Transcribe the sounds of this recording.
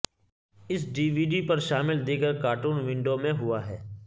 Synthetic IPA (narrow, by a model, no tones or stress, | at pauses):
ɪsɖiːʋiːɖipɐɾʃaːmɪld̪iːɡəɾkaːʈuːnʋɪ̃ɳɖomẽɦʊaɦɛː